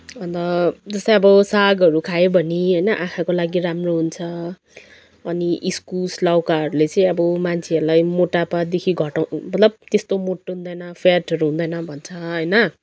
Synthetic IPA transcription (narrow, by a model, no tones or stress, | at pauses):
bʌnt̪ʌd͡zʌst̪aj̃ʌbʌsaɡʌɾukʰajebʱʌniɦʌjnʌʔãkʰakolaɡiɾamroɦunt͡sʰʌ | ʌniʔiskulslawkaɦʌɾulet͡sʌĩʌbʌmant͡sʰeʌɾulajmoʈapad̪ekʰiɡʱʌʈawmʌt̪lʌb̚t̪est̪omoʈːɦũnd̪ʌjnʌpʰjaʈʌɾuɦũnd̪ʌjnʌbʱʌnt͡sʰʌɦʌjnʌ